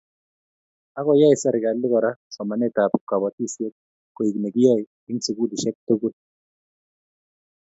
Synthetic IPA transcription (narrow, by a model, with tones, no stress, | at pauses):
a˦kɔ˨ja˦ɪ˨sa˦ɾɪ˨ɡa˨lɪ˦kɔ˨ɾa˦sɔ˨ma˨nɛ˦˨ta˨pka˨bɔ˨ti˦˨sje˦t̚ | ko˨i˨kne˨kɪ˦jɔ˦j | ɪ˦ŋsu˨ɡu˦di˨ʃɛ˦k̚to˦ɡu˦t̚